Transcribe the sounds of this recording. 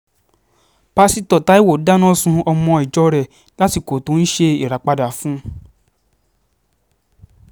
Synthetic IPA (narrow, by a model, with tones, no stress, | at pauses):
pa˧si˦tɔ˨ta˨˦i˦wo˨da˦nɔ̃˦sũ˧ɔ˧mɔ̃˧i˨d͡ʒɔ˦ɾɛ˦˨ | la˦ti˦˨ko˨to˨˦n̩˦ʃe˧i˨ɾa˨˦k͡pa˧da˨fũ˦